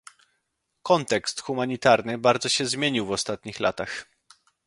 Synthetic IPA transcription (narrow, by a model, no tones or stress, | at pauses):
kɔnt̪ɛkst̪xumaɲit̪aɾnɘbaɾd̪zɔɕɛzmʲjeɲiwvɔst̪at̪ɲixla̰t̪ax